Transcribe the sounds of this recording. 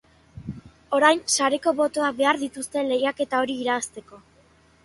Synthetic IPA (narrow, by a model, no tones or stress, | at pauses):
o̞ɾajnsaɾe̞ko̞βo̞t̪o̞akbe̞aɾðit̪ust̪e̞nle̞jake̞t̪ao̞ɾiːɾaːst̪e̞ko̞